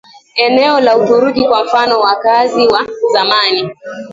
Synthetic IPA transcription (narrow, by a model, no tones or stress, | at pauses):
ɛnɛɔlauɗuɾukikwam̩fanɔwakaziwazamani